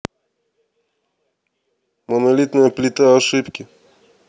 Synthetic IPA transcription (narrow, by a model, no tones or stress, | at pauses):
monɐlʲit̪nɨjəplʲɪt̪aɐʂɨpkʲɪ